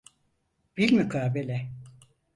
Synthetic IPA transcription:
b̥ilʲmykʰaːbelʲɛ

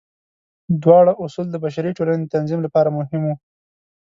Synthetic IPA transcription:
d̪wɑɽaʔʊsuld̪əbaʃaɾiʈolaned̪ət̪anzimlapɑɾamʊɦɪmu

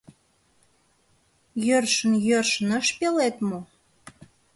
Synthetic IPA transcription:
jørʃənjørʃənəʃpelet̪mo

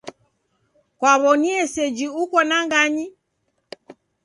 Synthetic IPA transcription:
kwaβɔniɛsɛd͡ʒiukɔnaŋɡaɲi

